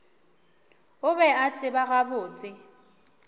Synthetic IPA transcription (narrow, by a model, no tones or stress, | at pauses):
ʊbɛat͡sʼɪbaɣabʊːt͡sʼɪ